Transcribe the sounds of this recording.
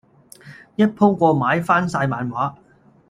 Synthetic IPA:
jɐ˥t̚pʰʊ˥ŋkʷɔː˧maː˨˥jfaː˥nsaː˧jmaː˨nwaː˨˥

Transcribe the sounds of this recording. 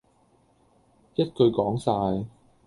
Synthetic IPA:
jɐ˥t̚kɵ˧ɥkɔː˨˥ŋsaː˧j

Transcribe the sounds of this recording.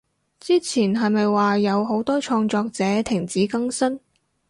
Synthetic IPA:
t͡siː˥t͡sʰiː˨˩nɦɐ˨jmɐ˨jwaː˨jɐ˨˧wɦo˨˥wt̪ɔː˥t͡ʃʰɔː˧ŋt͡sɔː˧k̚t͡sɛː˨˥t̪ʰɪ˨˩ŋt͡siː˨˥kɐ˥ŋsɐ˥n

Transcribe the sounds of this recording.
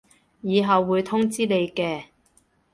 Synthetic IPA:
jiː˨˧ɦɐ˨wːuː˨˧jt̪ʰʊ˥ŋt͡siː˥le˨˧jkɛː˧

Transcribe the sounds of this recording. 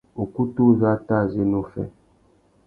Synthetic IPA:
o˨ku˦tu˦za˦ta˦˨ze˦nu˦˨fɛ̰˦

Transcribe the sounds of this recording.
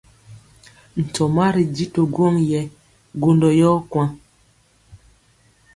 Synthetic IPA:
n̩˨tɔ˨ma˦ɾi˨di˦to˨ɡwɔ˦ŋjɛ˨ | ɡo˦ndɔ˨jɔː˦kwa˦

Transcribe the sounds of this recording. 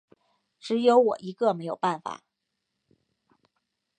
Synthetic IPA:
ʈ͡ʂɻ̩˧˥jo˧˥ʊwɔ̰˨˩ʔi˧˥ɡə˥˧me˧˥ɪjo˨˩ʊpa˥˩nfa̰˨˩˦

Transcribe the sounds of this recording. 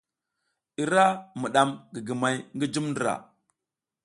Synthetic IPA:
i˨ɾa˦mu˨ɗa˦mɡi˨ɡi˨ma˨jŋɡi˦d͡ʒu˦mndi˨ɾa̰˨

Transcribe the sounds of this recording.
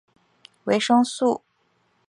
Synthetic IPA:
we˧˥ɪʂɤ˥ŋsu˥˩

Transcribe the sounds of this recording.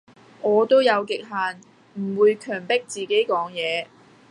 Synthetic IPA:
ŋɔː˨˧t̪o˥wjɐ˨˧wkɪ˨k̚ɦaː˨n | m̩˨˩wuː˨˧jkʰœː˨˩ŋpɪ˥k̚t͡siː˨ke˨˥jkɔː˨˥ŋjɛː˨˧

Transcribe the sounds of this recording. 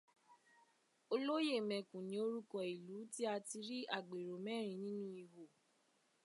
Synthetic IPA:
o˧lo˦je˦˨mɛ̃˨kũ˨nĩ˨˦o˦ɾu˦kɔ˦˧i˨lu˨˦ti˦a˧ti˧ɾi˦a˦˨ɡ͡be˨ɾo˨mɛ˦˨ɾ̃ĩ˧˨nĩ˦nũ˦i˧ɦo˨

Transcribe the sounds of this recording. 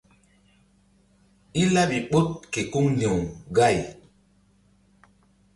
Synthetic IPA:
i˦la˦ɓi˨ɓo˦t̚ke˨ku˦ŋne˨wɡa˦˨j

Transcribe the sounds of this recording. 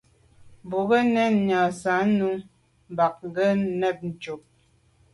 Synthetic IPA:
bo˨ɣə˦nɛ˦˨n˨ɲa˨sa˨˦nu˦ | m˨ba˨k̚ŋ̩˦˨ɡə˦nɛ˦˨p̚n̩˨t͡ʃu˨p̚

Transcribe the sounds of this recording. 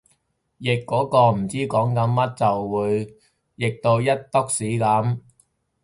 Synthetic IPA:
jɪ˨kːɔː˨˥kɔː˧m̩˨˩t͡siː˥kɔː˨˥ŋkɐ˨˥nmɐ˥t̚t͡sɐ˨wːuː˨˧j | jɪ˨k̚t̪o˧wjɐ˥t̚t̪ʊ˥k̚siː˨˥kɐ˨˥m

